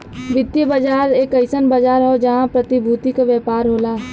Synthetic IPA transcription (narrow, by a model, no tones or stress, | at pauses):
ʋɪd̪jəbəd͡ʒaːɾeːkəɪsənbɐd͡ʒaːɾɦoːd͡ʒɐɦãpɾɐt̪ɪbʱuːt̪ikaʋjɛːpaːɾɦoːlaː